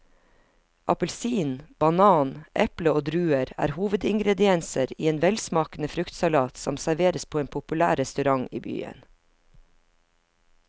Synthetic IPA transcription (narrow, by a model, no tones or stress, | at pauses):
ʔɑpəlsiːnb̥ɑnɑːnʔɛpləoːd̪ɾʉːəɾæ̰ːɾhuːʋəd̪ɪŋɡɾɛd̪ɪɛnsəɾiːeːnʋɛlsmɑːknəfɾʉkt̪sɑlɑːt̪sɔmsæɾʋeːɾəspʰoːeːnpʰʊpʉlæːɾɛst̪ʉɾɑŋḭːby̰ːə̰n